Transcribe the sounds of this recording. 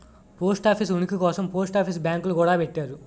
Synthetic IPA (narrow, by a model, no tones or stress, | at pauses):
poːsʈaːpʰis̬unikikɔːsɐmpoːsʈaːpʰis̬bjaːŋkulukuːɽaːpeʈːaːɾu